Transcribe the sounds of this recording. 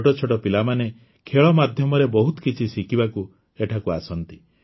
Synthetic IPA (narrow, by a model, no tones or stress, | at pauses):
ʈɔt͡ʃʰɔʈɔpilamane | kʰeɭɔmad̪ʱjɔmɔɾebɔɦut̪ɔ̥kit͡ʃʰisikʰibaku | eʈʰakuasɔnt̪i